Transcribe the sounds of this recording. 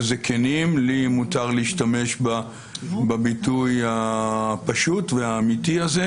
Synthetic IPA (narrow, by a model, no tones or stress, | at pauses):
zekʰenimlimutaʁliiʃtame̞ʃba | babitujhapaʃutveaːmitiaze